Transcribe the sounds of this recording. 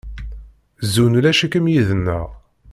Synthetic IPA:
zunulæʃəkəmjiðənːəʁ

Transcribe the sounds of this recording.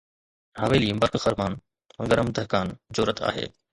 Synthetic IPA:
ɦaːʋeːliːmbəɾkxəɾmaːñː | ɡəɾəmd̪əɦkaːnd͡ʑoːɾət̪ʰa̰ːɦḛː

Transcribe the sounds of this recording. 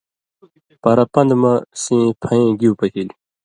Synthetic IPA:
pɐɾɐpɐnd̪mɐsĩːpʰɐẽːɡiwpɐt̪ʰil

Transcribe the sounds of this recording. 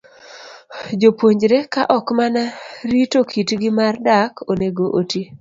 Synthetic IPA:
d͡ʒopwoɲd͡ʒɾekaʔɔkmanaɾitokʰitɡɪmardakʰoneɡoʔoti

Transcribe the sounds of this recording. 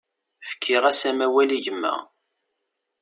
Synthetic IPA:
fə̥kʰːiʁæsæmæwæliʝəmːæ̰

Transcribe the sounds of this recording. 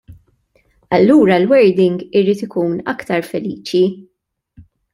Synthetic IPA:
ɐlːuːɾɐlwɛɾd̪ɪŋɡɪɾiːt̪ɪkuːnɐkt̪ɐɾfɛliːt͡ʃi

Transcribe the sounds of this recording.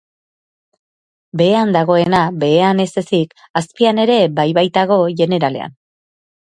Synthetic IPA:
be̞ːand̪aɣ̞o̞e̞nabe̞ːane̞se̞sik | aspiane̞ɾe̞bajβajt̪aɣ̞o̞ʝe̞ne̞ɾale̞̰a̰n

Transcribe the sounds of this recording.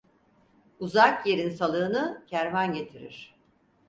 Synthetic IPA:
uzakje̞ɾinsalˠɯːnɯcʰæɾvanɟe̞t̪ʰiɾḭɾ̥

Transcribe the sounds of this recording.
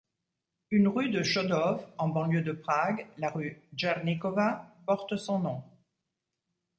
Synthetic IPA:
ynʁyd̪əʃɔd̪ɔfɑ̃bɑ̃ljød̪əpχaɡlaʁyʒɛʁnikɔvapɔʁt̪sɔ̃nɔ̃

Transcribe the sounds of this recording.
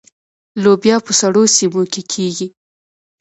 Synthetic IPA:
lobjɑpəsaɽosimokekʰeɡi

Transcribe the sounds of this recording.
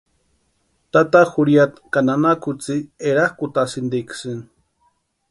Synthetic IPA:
t̪at̪axuɾijat̪kananakut͡sieɾahkut̪asɨnd̪iksɨn

